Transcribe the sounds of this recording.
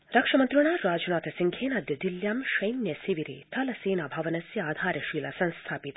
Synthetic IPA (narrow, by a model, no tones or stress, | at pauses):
ɾɐkʂɐmɐnt̪ɾuɳaːɾaːd͡ʒunaːt̪ɐsiŋɡʰʱeːnaːd̪jɐd̪iljaːmʃɐjnjɐsiʋiɾḛːt̪ʰɐlɐseːnabʱɐʋɐnɐsjɐaːd̪ʱaːɾɐʃiːlɐsɐ̃nst̪ʰaːpit̪